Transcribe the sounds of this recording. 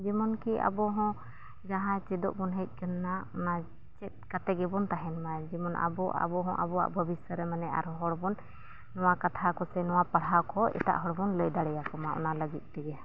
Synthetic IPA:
d͡ʒimɔnkiʔa̰bɔɦɔ̃ | ɡaɦãt͡ʃɛd̪ɔ̰ʔbɔnɦəc̪̚ˀkənːaɔna | t͡ʃɛt̪̚kat̪ɛɡɛbɔnt̪aɦɛnmad͡ʒimɔnʔa̰bɔʔa̰bɔɦɔ̃ʔa̰bɔwa̰ʔbʱəbisəɾɛmanɛʔa̰ɾɦɔɽbɔnː | ɔwakat̪ʰakɔsɛnɔwapaɽɦakɔʔɛ̰t̪a̰ʔɦɔɽbɔnləjd̪aɽɛjakɔmaʔɔ̰naləɡit̪̚ˀt̪ɛɡɛ

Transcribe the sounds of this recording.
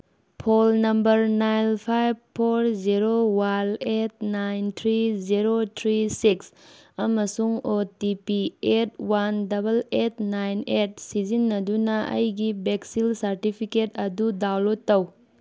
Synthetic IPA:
pʰolnɐmbɐɾnajnpʰajb̚pʰːoɾziɾowanet̚najnt̪ʰɾiziɾotʰɾisiksɐmɐsuŋotipiet̚wandɐbɐlet̚ʰnajnet̚sizinːɐdunɐʔɐ̰jɡibeksilsɐɾtipʰiketɐdudawlottːɐw

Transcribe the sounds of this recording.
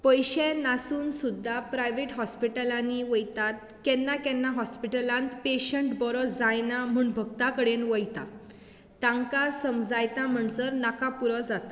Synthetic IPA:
pəjɕẽnasuːnsud̪ʱːapɾajʋeʈɦɔspiʈəlaniʋəjt̪at̪̚ | kɛnːakɛ̃nːaɦɔspiʈəlãnt̪peɕəɳʈbɔɾɔd͡zajnam̤uːɳbʱəɡt̪akəɽenʋəjt̪a̰ | t̪ãŋkasəmd͡zajt̪ãm̤əɳsəɾnakapuɾəd͡zat̪a

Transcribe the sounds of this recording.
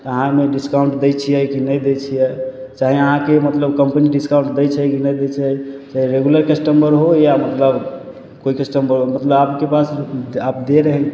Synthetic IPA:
əɦãmeɖiskauɳʈd̪ɛjt͡ʃʰijɛkinəjd̪et͡ʃʰijɛt͡ʃaɦiəɦãkemət̪ləbkəmpəniɖiskaũɳʈd̪ɛjt͡ʃʰɛkinɛjd̪ɛt͡ʃʰɛt͡ʃaɦiɾeɡuləɾkəsʈəmbəɾɦojamət̪ləb | koikəsʈəmbəɾomət̪ləbapkepasap̚d̪eɾəɦɛ̃

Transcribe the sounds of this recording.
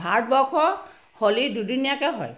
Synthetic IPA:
bʱaɹt̚bɔkʰɔ | holidudinijakɛɦɔ̰j

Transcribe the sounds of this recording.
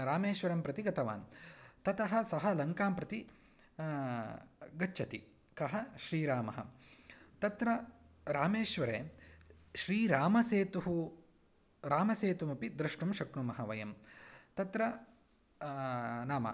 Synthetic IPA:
ɾaːmeːʃʋɐɾɐmpɾɐt̪iɡɐt̪ʰɐʋa̰ːnt̪ɐt̪ɐɦɐsɐɦɐlɐŋkaːmpɾɐt̪i | ɡɐt͡ʃːʃʰɐt̪i | kɐɦɐʃɾiːɾaːmɐɦɐ̰ | t̪ɐt̪ɾɐ | ɾaːmeːʃʋɐɾeː | ʃɾiːɾaːmɐseːt̪uɦu | ɾaːmɐseːt̪umɐpid̪ɾɐʂʈɳumʃɐkɳumɐɦɐʋɐjɐmt̪ɐt̪ɾɐ | naːmɐ̰

